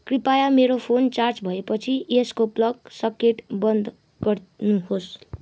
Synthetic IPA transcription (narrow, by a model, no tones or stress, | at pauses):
kripajameɾopʰont͡sart͡sbʱʌepʌt͡sʰieskoplʌɡsʌkeʈbʌnd̪ | ɡʌrnuɦos